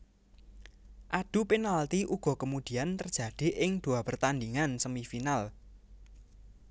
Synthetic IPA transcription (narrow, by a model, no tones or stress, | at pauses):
ʔad̥ṳpenalt̪iʔuɡ̥ɔ̤kəmud̪̥i̤ant̪ərdd͡ʒ̥ä̤d̪̥e̤ʔɪŋd̪̥ṳapərt̪and̪iŋansəmifinal